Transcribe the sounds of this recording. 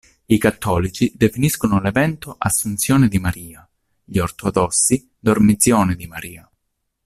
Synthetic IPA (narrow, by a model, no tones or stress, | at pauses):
ikat̪ːɔːlit͡ʃid̪efiniskonʊlevɛnt̪oʔasːunt̪sjɔːned̪imaɾiːa | ʎiort̪ɔd̪ɔsːi | d̪ormit̪sjɔːned̪imaɾḭːa